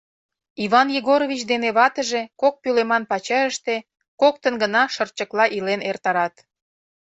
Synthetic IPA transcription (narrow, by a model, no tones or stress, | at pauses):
iβɑnjeɣoɾovʲit͡ɕd̪eneβɑt̪əʒekok̚pylemɑnpɑt͡ɕɑəʃt̪e | kok̚t̪ənɡənɑʃə̆rt͡ɕə̆klɑʔilenert̪ɑɾɑt̪